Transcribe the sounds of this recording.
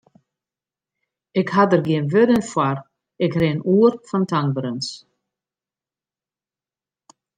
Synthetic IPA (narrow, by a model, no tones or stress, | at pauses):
ɪkhad̪əɾɡeːnvʏðənfwaɾ | ɪkɾenuːɾfant̪ʰaŋ̚bɾʏns